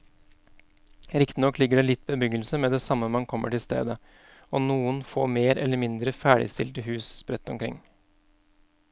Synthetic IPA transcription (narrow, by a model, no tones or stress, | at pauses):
ɾɪkt̪ɪnɔkːlɪɡːəɖɛlɪt̪̚ːbəbʏɡəlsəmɛːd̪ɛsɑmːəmɑnkʰɔmːʔə̰ʈɪlst̪ḛːd̪ə | ɔnuːənfo̰ːmeːɾɛ̰lːəɾmɪnd̪ɾəfæːɖɪ̰st̪ɪlt̪əɦʉːsspɾɛt̪ːɔmkʰɾɪ̰ŋː